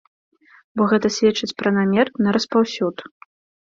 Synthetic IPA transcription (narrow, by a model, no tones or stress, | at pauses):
bɔɣɛt̪ɐsʲvʲɛt͡ʂːɐt͡sʲpɾɐnamʲɛrnɐɾɐspawsʲut̪